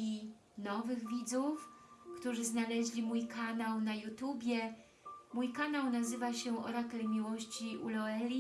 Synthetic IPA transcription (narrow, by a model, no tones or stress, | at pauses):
i | nɔvɘɣvʲid̪zufkt̪uʐɘznalɛʑlʲimujkanawnajut̪ubʲjɛ | mujkanawnazɘvaɕɛɔ̰ɾakɛlmʲiwɔɕt͡ɕiʔṵlɔɛlʲi